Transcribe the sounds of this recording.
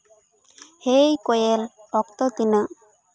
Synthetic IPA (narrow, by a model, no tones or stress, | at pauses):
hejkɔjelɔkt̪ɔt̪inə